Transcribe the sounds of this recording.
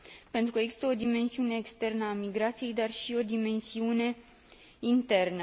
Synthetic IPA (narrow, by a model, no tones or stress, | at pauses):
pe̞nt̪ɾukəeɡzi̥st̪əo̞d̪ime̞nsiune̞ːkst̪e̞rnəamiɡɾat̪sije̞jd̪arʃio̞d̪ime̞nsiune̞ | int̪e̞rnə